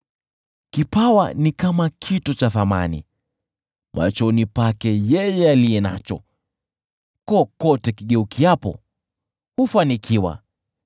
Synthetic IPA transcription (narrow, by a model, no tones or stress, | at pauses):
kipawa̰nikamakʰitɔt͡ʃaθama̰nḭ | mʔa̰t͡ʃɔnipakɛjɛjɛalijɛna̰t͡ʃɔ̰ | kɔkɔtɛkiɠɛukiapɔ̰ | hufanikʰiwa̰